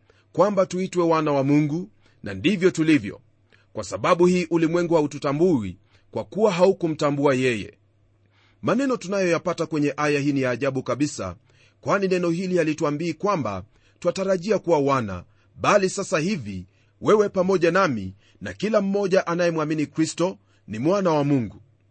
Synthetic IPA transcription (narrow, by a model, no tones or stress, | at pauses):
kwambatuitwɛwanawamuŋɡu | nʔa̰ndivjɔtulivjɔ̰ | kwasaɓaɓuhiːʔulimwɛŋɡuhaututambuwḭ | kwakuwaɦaukum̩tambuajɛjɛ̰ | manɛnɔtunajɔjapatakwɛɲɛʔajahiːnijaːʄaɓukaɓisa̰ | kwaninɛnɔhilialituambiːkwamba̰ | twataɾaʄiakuwawana̰ | ɓalisasahivi | wɛwɛpamɔʄanamḭ | nakilam̩mɔʄaʔanajɛmwaminikɾistɔ | nimwanawamuŋɡu